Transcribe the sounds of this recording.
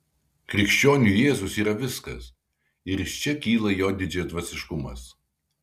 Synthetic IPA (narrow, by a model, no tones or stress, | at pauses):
kɾʲɪkʃʲt͡ʃʲoːnʲuːjeːzʊsiːɾɐʋʲɪskɐ̰s | ɪɾɪʃt͡ʃʲɛkʲiːlˠɐjoːd̪ʲɪd͡ʒʲɛd̪ʋɐsʲɪʃkʊmɐ̰s